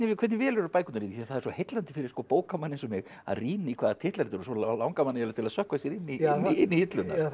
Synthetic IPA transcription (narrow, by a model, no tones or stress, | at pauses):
nɪɪkʰɛt̪nɪvɛːlɛɾʏpaːjkʏnaɾit̪θθaðɛɾsɔhejt̪lant̪ɪ̥fɪɾɪɾ̥skɔpoːwkamanːɪnsɔmɛɣ | a̰ðriːnaikʰvaːðat̪ʰɪht̪laɾt̪ʏɾsɔllawŋkamanːɪɛlat̪ʰɪlaðsœhkvasjɛɾɪnːinːiɪnːihɪt̪lʏnːa̰